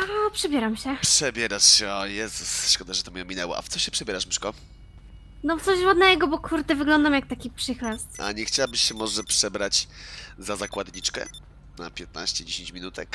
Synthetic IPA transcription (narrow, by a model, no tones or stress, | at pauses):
aɔpʂɛbʲjɛɾamɕɛpʂɛbʲjɛɾaʂɕɛɔjɛst̪ʂkɔd̪aʐɛt̪ɔmʲɛɔmʲinɛwɔ̰ʔa̰ft̪sɔɕɛpʂɛbʲɛɾaʂmiʂkɔ | nɔt̪sɔʑvɔd̪nɛɡɔbɔkʰuɾt̪ɛvɘɡlɔnd̪amjak̚t̪akʲipʂɘxlast̪a̰ɲɛxt͡ɕawabɘɕːɛmɔʐɛpʂɛbɾat͡ɕzazakwad̪ɲit͡ʂkɛ̰ | na̰pʲjɛt̪̚na̰ɕt͡ɕɛd͡ʑeɕẽɲt͡ɕmʲinut̪ɛk